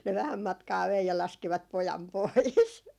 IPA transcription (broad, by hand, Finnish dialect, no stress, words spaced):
ne ʋæhæm mɑtkɑː ʋei jɑ lɑskiʋɑt pojɑm pois